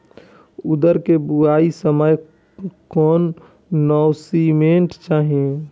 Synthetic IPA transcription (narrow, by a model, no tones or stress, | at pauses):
ʊd̪əɾkebuaːisəməj | kɔːnː | ɔːsimẽɳʈt͡ʃaːɦiẽ